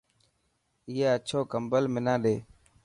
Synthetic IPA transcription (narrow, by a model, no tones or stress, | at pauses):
iːaːət͡ʃʰoːkəmbəlmɪnãːɗeː